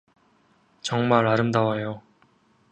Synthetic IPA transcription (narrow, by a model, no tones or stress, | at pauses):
t͡ɕʌŋmaɾaɾɯmdawajo